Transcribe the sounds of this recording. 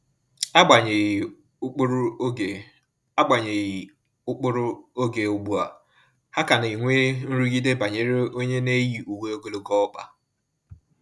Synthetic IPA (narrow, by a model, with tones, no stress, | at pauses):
a˦ɡ͡ba˨ɲe˨˦ | k͡pɾ | a˦ɡ͡ba˨ɲe˨ji˨ | ʊ˦k͡pʊ˦ɾʊ˦o˦ɡe˨ʊ˦ɡ͡bu˦˨a̰˨ | ha˦ka˨n˨i˨ŋʷe˦n̩˦ɾu˦ɡi˦de˦ba˨ɲe˦ɾe˦o˦ɲe˦ne˦ji˨ʔu˨ɡe˦o˦ɡo˦lo˦ɡɔ˦ɔ˦k͡pa˨